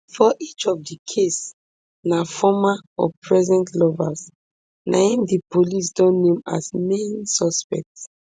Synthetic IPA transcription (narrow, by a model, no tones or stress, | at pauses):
fɔʔit͡ʃɔvdikʰes | nafɔmaɔ̰pʰɹɛzɛ̃ntʰlɔvas | nʔã̰ĩmdipolis̬dɔ̃nːẽma̰smẽnsɔspɛ̰k̚ts